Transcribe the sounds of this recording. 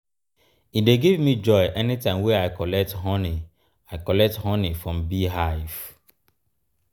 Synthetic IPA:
ideɡivmid͡ʒɔɪʔɛnitãɪ̃mweaɪkɔlɛk̚tɦɔ̃ni | aɪkɔlɛk̚thɔ̃nifɹɔ̃mbiɦaɪv

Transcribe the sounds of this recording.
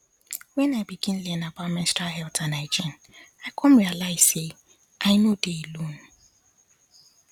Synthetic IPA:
wɛ̃naɪbiɡĩnlɛnabamɛ̃nstaɦɛltʰãnaɪd͡ʒĩn | aɪkʰɔ̃mɹialaɪz̥se | ʔaɪnodelun

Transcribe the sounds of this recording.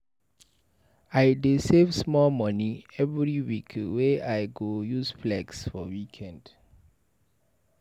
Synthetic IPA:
ajdesevsmɔlmɔ̃niɛvɹiwikweajɡojusflɛɡsfɔwikʰɛ̃nd

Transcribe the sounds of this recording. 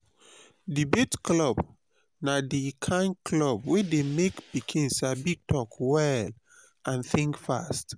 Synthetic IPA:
dibetklɔb | nadikʰãɪ̃nkʰlɔbwedemekbikʰĩnsabik̚tʰɔkwɛl | ʔãnθĩŋkfast

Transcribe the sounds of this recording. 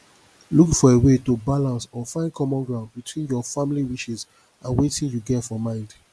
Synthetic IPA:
lukfɔewetobalãnsɔfãɪ̃nkʰɔmɔ̃nɡɹãʊ̃nd̚bitwĩnjɔfamiliwiʃiz | ʔãnwetĩnjuɡɛtfɔmãɪ̃nd

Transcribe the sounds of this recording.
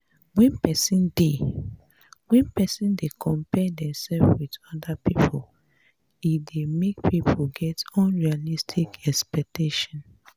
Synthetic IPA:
wɛ̃npɛsĩnde | wɛ̃npɛsĩndekʰɔ̃mpɛdɛ̃msɛlfwidɔdapipʰol | idemekpipʰoɡɛtɔ̃nɹialistʰikɛspɛk̚teʃɔ̃n

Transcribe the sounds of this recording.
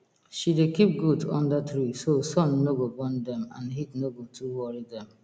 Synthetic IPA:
ʃidekip̚ɡudɔ̰̃ndətɾisosɔ̃nːoɡobɔ̃ndɛ̃mã̰nɦitnoɡotʰuwɔɹidɛ̃m

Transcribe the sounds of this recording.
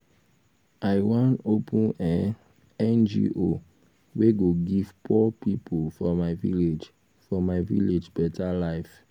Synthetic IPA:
aɪwãnopʰũnɛ | ɛ̃nd͡ʒḭʔo | weɡoɡivpʰɔpipʰolfɔmaɪvḭled͡ʒ | fɔmaɪvḭled͡ʒbɛtʰalaɪf

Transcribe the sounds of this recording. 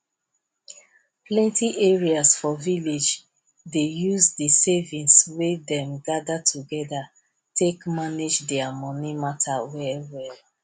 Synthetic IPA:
plɛ̃ntiʔeɹiasfɔviled͡ʒ | dejuzdisevĩnswedɛ̃mɡadatʰuɡɛda | tʰekmaned͡ʒdɛamɔnimatʰawɛwɛl

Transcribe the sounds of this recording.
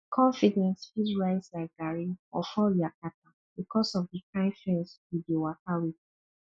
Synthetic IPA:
kʰɔ̃ɱfidɛ̃nsfizɹaɪslaɪk̚ɡ̥aɹiɔfɔliakat̚a | bikʰɔsɔvdikʰãɪfɛ̃nswidiwatawit

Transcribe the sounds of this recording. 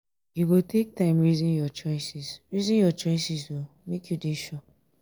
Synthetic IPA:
juwiltʰek̚tãɪ̃mɹizĩnjɔt͡ʃɔɪsisɹizĩnjɔt͡ʃɔɪsiswo | mekʰjudeʃɔ

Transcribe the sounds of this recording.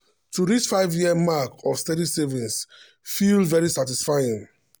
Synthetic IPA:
tʰuɹit͡ʃfaɪvjiəmakɔfstɛɾisɛvĩns | filvɛɹisatisfajĩŋ

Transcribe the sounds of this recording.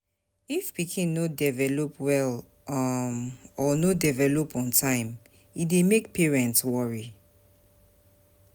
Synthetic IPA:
ifbikʰĩnodɛvɛlopwɛl | mɔnodivɛlopɔ̃ntʰãɪ̃m | idemek̚pʰɛɹɛ̃ntswɔɹi

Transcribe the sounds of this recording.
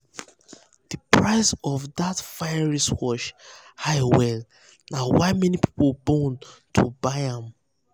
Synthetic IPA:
d̥ipʰɹaɪsɔvðatfaɪɹiswɔʃhaɪwɛl | nawaɪmɛnipi̥pobɔ̃ntʰubaɪãm

